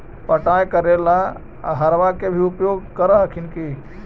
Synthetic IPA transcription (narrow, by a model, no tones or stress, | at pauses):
pəʈajkəɾela | aɦəɾʋakebʱiupjoɡ̚kəɾəkʰinki